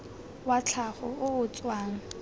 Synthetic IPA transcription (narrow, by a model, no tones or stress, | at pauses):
wat͡ɬʰaχɔʊʊt͡sʼwaːŋ̩